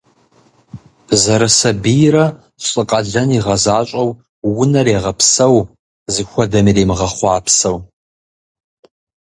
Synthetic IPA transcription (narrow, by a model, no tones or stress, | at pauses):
zɐɾɐsɐbijrɐ | ɕʼɨqʼɐɮɐniʁɐzaːɕʼɐw | wʊnɐɾeːʁɐpʰsɐw | zɨxʷɔdɐmireːmɨʁɐχʷɑːpsɐw